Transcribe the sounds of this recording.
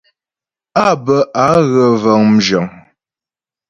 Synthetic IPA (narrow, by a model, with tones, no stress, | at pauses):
a˦˨bə˨ʔa˨˦ɣə˨və˨ŋm̩˨d͡ʒɔ˨ŋ